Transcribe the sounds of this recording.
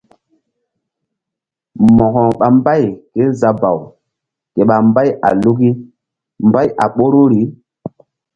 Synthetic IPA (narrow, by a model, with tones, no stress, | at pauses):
mɔ˨kɔ˨ɓa˨mba˦jke˦za˨ba˨w | ke˨ɓa˨mba˦ja̰˨lu˦ki˦ | mba˦jʔa̰˨ɓo˦ɾo˦ɾi˨˦